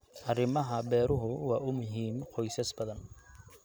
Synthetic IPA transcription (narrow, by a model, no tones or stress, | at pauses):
ʔɐrɪmɐɦɐbɛːɾʊɦʊwɑːʔʊmʊɦiːmqɔjsɐsbɐðɐn